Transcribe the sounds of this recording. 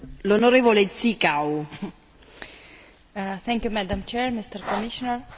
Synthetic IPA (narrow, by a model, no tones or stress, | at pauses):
lonoɾeːvolet̪sikaw | θɛ̃ŋkjumad̪ãmt͡ʃɛɾmist̪əɾkɔmiʃɔnəɾ